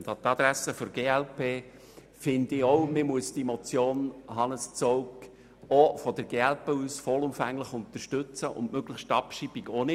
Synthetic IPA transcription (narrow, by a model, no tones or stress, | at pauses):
t̪ɑt̪ɑd̪ɾæsəfɔɾɡeːælpeː | fɪnd̪ɪɔwmɪmuəsd̥imɔt͡sjoːnɦɑnəst͡sɔwk | ɔfɔd̥əɾɡeːælpeːusfɔlʊmfæŋːləχʊnt̪əɾʃtʏt͡səʔʊ̰nmøɡ̥ləχʃtɑpʃib̥iɡonɪ